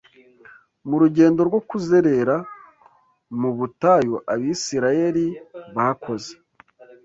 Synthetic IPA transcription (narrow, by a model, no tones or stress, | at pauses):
muɾuɟe̞ːndo̞ɾɡwo̞kuze̞ɾe̞ɾa | muβutajoʔaβisiɾaje̞ɾiβakʰo̞ze